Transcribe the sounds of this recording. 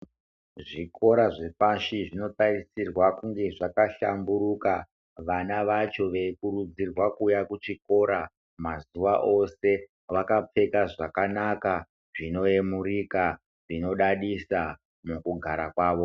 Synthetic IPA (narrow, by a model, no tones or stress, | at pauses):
ʐikʰo̞ɾaʐepaʃiʐino̞tarisirwakuŋɡe̞ʐakaʃambuɾuka | ʋanaʋat͡ʃo̞ʋekuɾud͡zirwakujakut͡ʃiko̞ɾa | mazuʋaʔo̞se̞ | ʋakap͡fe̞kaʐakanaka | ʐino̞emurika | ʐino̞ɗaɗisa | mukuɡʱaɾakwaːʋo̞